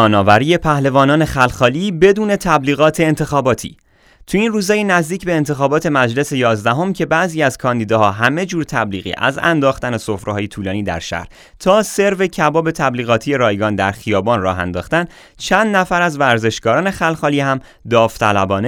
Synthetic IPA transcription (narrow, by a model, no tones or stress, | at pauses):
ɒːnɒːvæɾiːje̞pʰæhle̞vɒːnɒːne̞xælxɒːliːbe̞d̪uːne̞t̪ʰæbliːɣɒːt̪ʰe̞ːnt̪ʰe̞xɒːbɒːt̪ʰḭː | t̪ʰuinruːzɒːjenæzd̪iːcbe̞ːnt̪ʰe̞xɒːbɒːt̪ʰe̞mæd͡ʒle̞se̞jɒːzd̪æɦo̞mcʰe̞bæʔziːæz̥kʰɒːnd̪iːd̪ɒɦɒːɦæme̞d͡ʒuːɾt̪ʰæbliːɣḭːʔæ̰zæ̰nd̪ɒːxt̪æne̞sofɾehɒːjet̪ʰuːlɒːniːd̪æ̰ɾʃæ̰hɾ | t̪ʰɒːse̞ɾve̞cʰæbɒːbe̞t̪ʰæbliːɣɒːt̪ʰiːje̞ɾɒːjɡɒːnd̪æɾxijɒːbɒːnrɒːɦæ̰nd̪ɒːxt̪æn | t͡ʃʰænd̪næfæɾæzvæɾze̞ʃɡɒːɾɒːne̞xælxɒːliːhæm | d̪ɒːft̪ʰælæbɒːne